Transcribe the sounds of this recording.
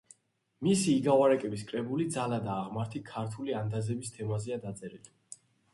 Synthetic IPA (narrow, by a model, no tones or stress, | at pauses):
misiːɡavwaɾɛkʼɛbiskʼɾɛbulid̪zalad̪aːʁmaɾt̪ʰikʰaɾt̪ʰuliand̪azɛbist̪ʰɛmazɛad̪at̪sʼɛɾili